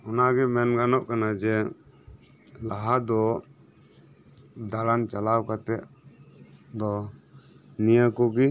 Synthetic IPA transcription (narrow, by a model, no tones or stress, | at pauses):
ɔnaɡɛmɛnɡanɔp̚kanad͡ʒɛ | laɦad̪ɔ | d̪alant͡ʃalawkat̪ɛʔ | d̪ɔ | nijəkɔɡi